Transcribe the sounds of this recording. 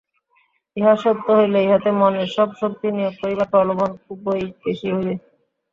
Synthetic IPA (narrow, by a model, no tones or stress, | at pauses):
eɦaʃod̪ʱːoɦojleeɦot̪emɔneɾʃɔbʃop̚t̪inijoɡ̚poɾibak̪ɔlobonkuboik̚beʃiɦojbe